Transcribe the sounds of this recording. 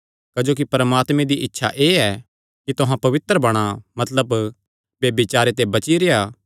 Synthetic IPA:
kɐd͡ʒoːk̬ipɐɾmaːt̪mẽd̪iʔɪtːʃʰaʔeːɛ | kit̪ʊɦãpɐʋɪt̪ɾəbɐɽ̃amɐt̪ləb | bjeːbit͡ʃaːɾet̪̬ebɐt͡ʃiɾeaː

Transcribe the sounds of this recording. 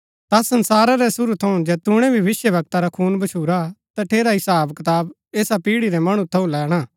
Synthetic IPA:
t̪asɐnsaːɾaɾɛsʊɾut̪ʰɐũd͡ʒɛːt̪ʊɽ̃ɛ̃bʱiʋɪsjəʋɐɡ̚t̪aɾakʰuːnbɐt͡ʃʰuːɾat̪aʈʰeːɾaɦɪsaːbkɐt̪aːb | eːsapiːɽiɾɛmɐɽ̃ũt̪ʰɐũlɛːɽ̃aː

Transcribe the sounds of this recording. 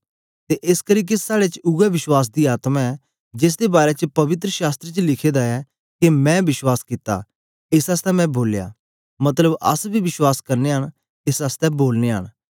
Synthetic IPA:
t̪eʔɪskəɾiːk̬esaːɽet͡ʃʊɡɛʋɪʃwaːs̬d̪iaːt̪mãɛ | d͡ʒɪs̬d̪ebaːɾet͡ʃəpɐʋɪt̪̬ɾəʃaːst̪ɾet͡ʃlɪkʰeːd̪aɛ | kemɛ̃bɪʃwaːskɪt̪a̰ː | ɪsast̪ɛmɛ̃boːlja̰ː | mɐt̪ləbɐ̰sbʱiʋɪʃwaːskɐɾneɦəñ | ɪsast̪ɛboːlneɦə̰ñ

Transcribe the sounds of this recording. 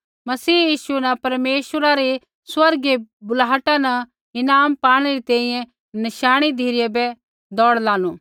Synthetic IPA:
mɐsiːjiːʃunɐpɐɾmeːʃəɾaɾi | swɐɾɡebʊlaːʈãnɐ | ɪnaːmpaːɽ̃eɾit̪ɛ̃ːĩjɛ̃ | nɪʃaːɽ̃id̪ʱiːɾɪjebɛ | d̪ɔːɽlaːnuː

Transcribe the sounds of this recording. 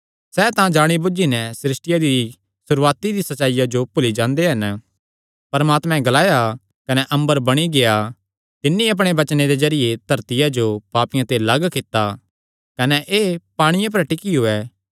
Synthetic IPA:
sɛːt̪ãd͡ʒaːɽ̃ibʊd͡ʒinɛ̃sɪɾɪsʈɪjad̪i | sʊɾuaːt̪id̪isɐt͡ʃaːɪijad͡ʒopʊlid͡ʒãːnd̪eɦɐn | pɐɾmaːt̪mɛ̃ɡɐlaːja | kɐnɛʔɐ̃mbəɾbɐɽ̃iɡeja | t̪ɪnːĩɐp̬ɽ̃ebɐt͡ʃned̪ezɐɾɪjet̪ɐɾt̪ɪjad͡ʒopaːpɪjãt̪elaːɡkɪt̪ːa | kɐnɛʔeːpaːɽ̃ɪjãp̬ɐɾʈɪkiɦʊɛː

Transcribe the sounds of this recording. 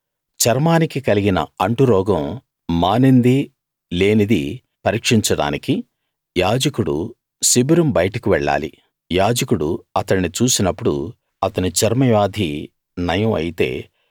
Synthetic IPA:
t͡ʃɐɾmaːnikikɐliɡinɐ̰ɐɳʈuɾɔːɡɐ̃mː | aːnind̪i | le̞ːnid̪i | pɐɾiːkʂiɲt͡ʃɐɽa̰ːniki | jaːd͡ʒɐkuɽṵ | sibiɾumbɐjɐʈɐkiʋɛɭːa̰ːlḭ | jaːd͡ʒɐkuɽuɐt̪ɐɳːit͡ʃuːsinɐpːuɽṵ | ɐt̪ɐnit͡ʃɐɾmɐjaːd̪ʱi | nɐjɐmɐ̰jit̪e̞̰ː

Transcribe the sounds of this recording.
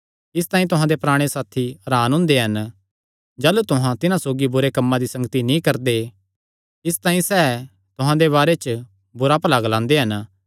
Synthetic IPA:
ɪs̬t̪aːĩt̪ʊɦãd̪epɾaːɽ̃esaːt̪ʰiɾaːnɦʊ̃nd̪eɦɐn | d͡ʒaːlut̪ʊɦãt̪ɪnãsoːɡibʊɾekɐmːãd̪isɐ̃ŋɡət̪inĩkɐɾd̪e | ɪs̬t̪ãːĩsɛː | t̪ʊɦãd̪eβaːɾet͡ʃ | bʊɾapəlaɡlãːnd̪eɦɐn

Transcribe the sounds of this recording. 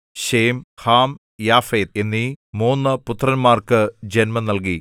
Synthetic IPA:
ɕejmhaːm | jaːfeːd̪̚enːimoːnːɐput̪ːrɐnmaːrkɨd͡ʑenmɐnɐlki

